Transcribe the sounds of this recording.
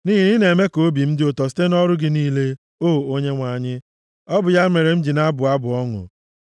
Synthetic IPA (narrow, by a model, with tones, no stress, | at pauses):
niː˦ɦi˨ni˦ne˨me˦ko˦bi˨m̩˦dɪ˦o˨tɔ˨sɪ̥˦te˦nɔ˦ɾʊ˦ɡɪ˦niː˦le˦ | oː˦˨o˦ɲe˦ŋʷa˨ɲɪ˦ | ɔ˦bʊ˨ja˦me˨ɾe˨m̩˦d͡ʒi˨na˦bʊ˨a˦bʊ˨ɔ˦ŋʊ̰˨